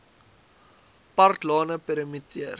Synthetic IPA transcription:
partlɔːnəpɛɾmitiər

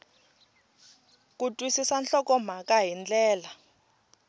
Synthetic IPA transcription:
k̬ʼutʼwisisanɬɔkɔm̤akʼaɦind͡ɮɛːla

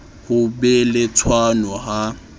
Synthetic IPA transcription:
hʊbɛlɪt͡sʰwanɔɦa

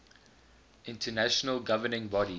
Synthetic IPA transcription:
ʔɪ̃ntʰənæʃənəlɡavənɪ̃ŋbɔɾi

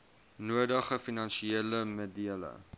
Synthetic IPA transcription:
nuədəχəfinɐnʃieələmədiələ̰

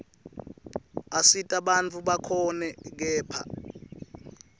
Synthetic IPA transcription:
asitʼaɓant͡fʰuɓakʰɔnɛk̬ɛːpʰa̰

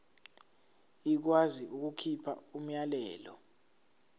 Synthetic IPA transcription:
ik̬waziʔuk̬ukʰipʰaum̩jalɛːlɔ

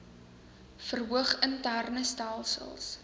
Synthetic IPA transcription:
fərɦuəχəntærnəstælˠsə̰lˠs

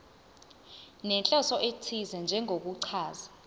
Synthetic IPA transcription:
nɛnt͡ɬʼɔsɔʔetʰizɛnd͡ʒʱɛŋʱok̬uǀʰaːza

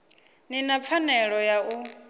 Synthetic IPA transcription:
ninap̪fʰanɛɺɔjaʔu

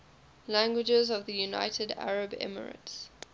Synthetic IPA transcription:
læ̃ŋɡwɪd͡ʒəzɔvðəjuna̰ɪtʰəda̰ɹəbɛ̰mə̰ɹə̰ts

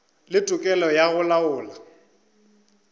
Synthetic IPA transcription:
lɪtʼʊkʼɛlɔjaɣʊlaʊːla

